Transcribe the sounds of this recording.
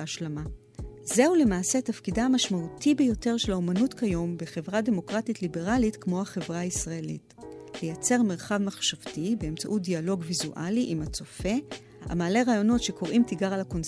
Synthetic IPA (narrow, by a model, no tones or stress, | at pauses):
aʃlama | ze̞ule̞maːse̞tafkidaːmaʃmautibejo̞te̞ʁʃelaomanutkajo̞mbeχe̞vʁade̞mo̞kʁatitlibe̞ʁalitkmo̞aχe̞vʁaaisʁae̞lḭtlejat͡se̞ʁmeʁχavmaχʃavtibeemt͡saʔut̚dialo̞ɡvizuʔa̰liʔimat͡so̞fe̞ | a̰maːle̞ʁaːjo̞no̞tʃe̞ko̞ʁʔimtiɡaʁalako̞n